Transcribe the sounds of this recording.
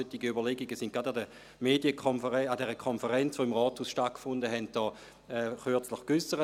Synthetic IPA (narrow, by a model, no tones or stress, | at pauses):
øtːiɡiybɐleɡiɡəsɪnt̚ɡʁadadə | meːdiəkʰonfəɛadɛːʁəkʰonfəʁɛnt͡sʋoɪmʁɔːthuːsʃtat̚kfʊndəɦɛnt̚d̥ɔː | ɛχyɐt͡sləχkysəʁə